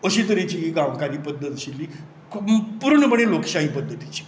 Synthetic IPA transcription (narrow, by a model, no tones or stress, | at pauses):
əɕit̪̬əɾet͡ɕiɡãʋkaɾiːpəd̪ʱːət̪əɕilːiː | kʰpuɾɳəməɽelokɕaɦĩpəd̪ʱːət̪it͡ɕi̥